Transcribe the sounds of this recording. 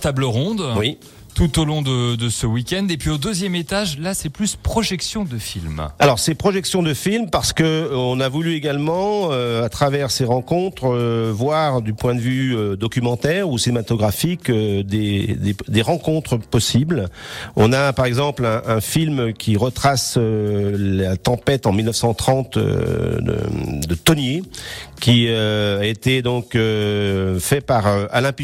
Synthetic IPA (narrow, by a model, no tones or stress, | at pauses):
t̪abləʁɔ̃d̪wi | t̪ut̪olɔ̃d̪əd̪əsəwikʲɛ̃nd̪epɥiod̪øzjɛmet̪aʒlasɛplyspχɔʒɛksjɔ̃d̪əfilmalɔʁsɛpχɔʒɛksjɔ̃d̪əfilmpaʁsə̥kəɔ̃navulyeɡalmɑ̃øat̪χavɛʁseʁɑ̃kɔ̃t̪χvwaʁd̪ypwɛ̃d̪əvyød̪ɔkʲymɑ̃t̪ɛʁusinemat̪ɔɡʁafikød̪ed̪ed̪eʁɑ̃kɔ̃t̪χəpɔsiblɔ̃napaʁɛɡzɑ̃plɛ̃ʔɛ̃filmkʲʰiʁət̪χasølat̪ɑ̃pɛt̪ɑ̃milnəfsɑ̃t̪χɑ̃t̪ø̰d̪ə̰d̪ət̪ɔnjekʲiøaet̪ed̪ɔ̃kø | fɛpaʁøalɛ̃pi